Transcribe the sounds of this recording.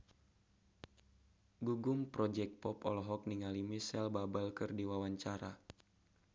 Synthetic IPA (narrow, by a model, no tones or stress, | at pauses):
ɡuɡumpɾɔd͡ʒɛk̚pɔpɔ̰lɔɦɔk̚niŋalimisɛlbabalkɨrdiwawaɲt͡ʃaɾa̰